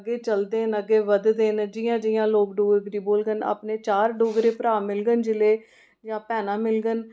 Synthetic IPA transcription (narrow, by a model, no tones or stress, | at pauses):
əɡeːt͡ʃəld̪eːnəɡeːʋəd̪d̪eːnd͡ʒɪjãːd͡ʒɪjãːloːkɖoːɡɡɾiːboːlɡəna̰ːpneːt͡ʃaːɾɖoːɡɾeːpɾaːmɪlɡənd͡ʒɪleː | d͡ʒãːpɛːnãːmɪlɡən